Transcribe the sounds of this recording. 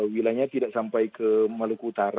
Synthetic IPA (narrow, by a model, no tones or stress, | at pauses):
wilaɲãt̪idaʔsampajkʰəmãlukut̪aɾ